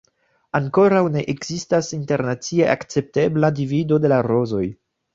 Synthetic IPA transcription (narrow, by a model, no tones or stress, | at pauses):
aŋko̞ɾawne̞ʔeɡzistasinte̞ɾnat͡sieʔa̰kt͡se̞p̚te̞bladivido̞de̞laɾo̞zo̞j